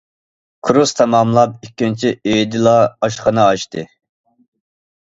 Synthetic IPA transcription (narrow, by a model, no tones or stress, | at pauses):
kʰuɾust̪ʰɑmɑmlˠɑp̚ikʲːint͡ʃʰiøjd̪ɪlˠɑɑʃχɑnɑɑʃt̪ɨ